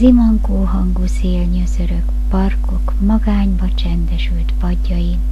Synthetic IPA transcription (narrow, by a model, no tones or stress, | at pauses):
zimɒŋkoːɦɒŋɡuseːlɲøzøɾøk | pɒrko̞kmɒɡaːɲbɒt͡ʃɛnd̪ɛʃylt̪pɒɟːɒji